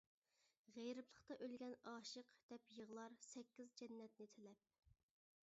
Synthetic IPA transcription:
ʁejɾɨplˠəχt̪ɑʔølɡʲɛnɑːʃəqd̪̥ɛpjəʁlˠɑɾsɛkʲːizd͡ʒɛnːɛt̪̚nɪt̪ʰelɛp̚

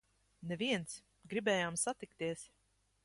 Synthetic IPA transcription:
nɛviɛnt̪s | ɡɾibɛːjaːmsat̪ikt̪iɛs

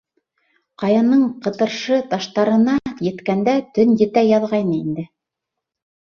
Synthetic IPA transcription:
qɑjɑnɤɴqɤ̆t̪ɤ̆ɾʃɤt̪ɑʃt̪ɑɾɤ̆nɑjɘ̆t̪kænd̪æt̪ɵnjɘ̆t̪æjɑðʁɑjnɤind̪ɘ

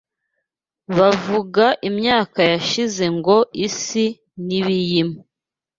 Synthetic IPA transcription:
βavuɡaʔimɲaːkajaʃize̞ŋɡo̞isi | niβijimu

